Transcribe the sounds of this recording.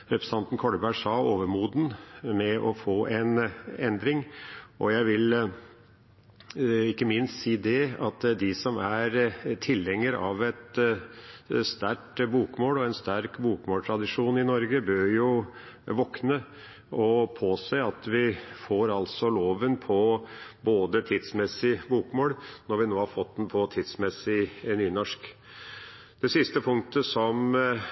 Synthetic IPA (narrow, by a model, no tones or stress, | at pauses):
ɾɛpɾəsɑnt̪n̩kʰɔɽəbæʂɑːoːʋəɾmuːd̪n̩mɛʔɔfoːʔɛnɛnd̪ɾɪŋʔɔjæɪʋɪl | ɪkːəmɪnst̪siːd̪ɛɑt̪d̪ɪsɔmæɾt̪ʰɪlɛŋːəɾɑ̰ʋɛt̪ | st̪æɾʈbuːkmoːlɔɛnst̪æɾkbuːkmoːlʈʰɾɑd̪ɪʂuːnɪnɔɾɡəbøːɾjʊ | ʋɔknə | ʔɔpʰoːseɑt̪ʋɪfoːɾɑlt̪sɔloːʋənpʰɔboːd̪ət̪ʰɪd̪smɛsːɪbuːkmoːlnɔɾʋɪnoːhɑɾfɔt̪d̪n̩pʰɔt̪ʰɪd̪smɛsɪnyːnɔʂk | d̪̥ɛsɪst̪əpʰʊŋk̚t̪əsɔm